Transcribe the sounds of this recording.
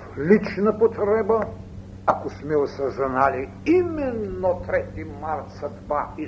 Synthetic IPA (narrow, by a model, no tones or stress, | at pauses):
lit͡ʃnɐpot̪ɾɛbə | ɐkosmɛosɐznali | imɛnːot̪ɾɛt̪imaɾt̪sɐd̪vai